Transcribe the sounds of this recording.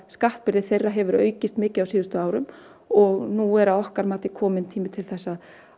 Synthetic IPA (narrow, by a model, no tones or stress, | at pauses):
skaht̪̚pɪɾðɪθejrːaɦɛvʏɾœ̰ːɥcɪst̪mɪːcɪðawsiːðʏst̪ʏaːwɾʏm | ɔɣnuɛɾaðɔhkaɾmaːt̪ɪkʰɔːmɪnt̪ʰiːmɪt̪ʰɪlθɛsːað